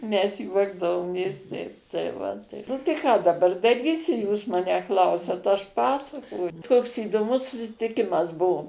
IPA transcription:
mʲɛs ˈjuɔɡdɐʋoːmʲeːs ˈtʲɛɪp tɐɪ ˈʋɐ tɐɪ ˈnʊ tɐɪ ˈkɑː dɐˈbɐr dɐˈrʲiːsʲɪ ˈjuːs ˈmɑːnʲæː ˈklˠɐʊsʲɛt ˈɐʃ ˈpɑːsɐkoːj ˈkoːks iːdoːˈmʊs sʊsʲɪtʲɪˈkʲɪmɐs ˈbʊʋoː

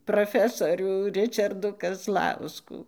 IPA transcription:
proːˈfʲæːsoːrʲuː ˈrʲɪt͡ʃɐrduː kɐzˈlˠɐʊskuː

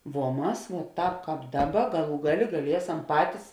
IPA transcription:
ʋuɔ ˈmɐs ʋuɔˈtɑːp ˈkɑːp ˈdɑːˌbɐ ˈɡɑːˌlˠuː ˈɡɑːˌlʲeː ɡɐˈlʲiɛsɐm ˈpɑːtʲɪs

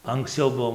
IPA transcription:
ɐŋksʲˈt͡sʲɛʊ ˈbuɔ

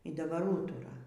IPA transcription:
iː dɐˈbɐr ˈuːtʊrɐ

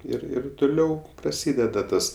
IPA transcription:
ˈɪr ˈɪr tʊˈlʲɛʊ prɐˈsʲiːdʲɛdɐ ˈtɐs

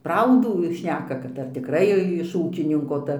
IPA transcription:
ˈprɐʊduː ˈʃʲnʲæːkɐ kɐt ɐr tʲɪkˈrɐɪ ɪʃ ˈuːkʲɪnʲɪŋkoː ˈtɐ

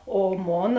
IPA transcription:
oː ˈmoːnɐ

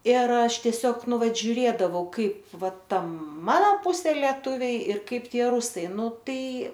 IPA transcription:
ɪr ˈɐʃ tʲiɛˈsʲoːk ˈnʊ ˈʋɐt ʒʲʊˈrʲeːdɐʋɐʊ ˈkɐɪp ˈʋɐ ˈtɐ ˈmɑːnɐ ˈpʊsʲeː lʲiɛˈtʊʋʲɛɪ ɪr ˈkɐɪp ˈtʲiɛ ˈrʊsɐɪ ˈnʊ ˈtɐɪ

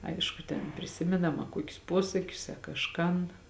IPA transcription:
ˈɐɪʃkʊ tʲɛn pʲrʲɪˈsʲɪmʲeːnɐm ɐ ˈkuɔkʲʊs ˈpuɔsɐkʲʊs ɐ kɐʃˈkɐn

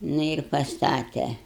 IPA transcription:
ˈnʊ ɪr pɐsˈtɑːtʲɛ

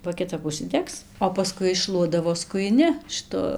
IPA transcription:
bɐ kʲɪˈtɐp ʊʃʲsʲɪˈdʲɛks oː pɐˈskʊɪ ɪʃˈʃlˠuɔdɐʋoː skʊjɪˈnʲɪ ʃɨˈtʊ

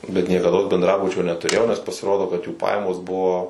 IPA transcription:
bʲɛt nʲiɛkɐˈdoːs bʲɛndˈrɑːbʊt͡ʃʲoː nʲɛtʊˈrʲeːjɛʊ nʲɛs pɐsʲɪˈroːdoː kɐt juː ˈpɑːjɛmoːs ˈbʊʋoː

